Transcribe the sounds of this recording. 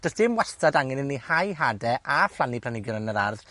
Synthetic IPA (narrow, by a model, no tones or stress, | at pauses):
d̥əsd̥ɪmwɛstadaŋɛnɪnːihajɦadɛʔaflˠanipʰlanɪɡjʊɾənəɾa̰rð